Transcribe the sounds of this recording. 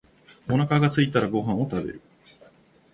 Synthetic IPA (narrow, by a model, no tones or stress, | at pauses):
o̞nakaɡat͡sɨit̪aɾaɡo̞ɦãɰ̃o̞t̪abe̞̰ɾɯ̟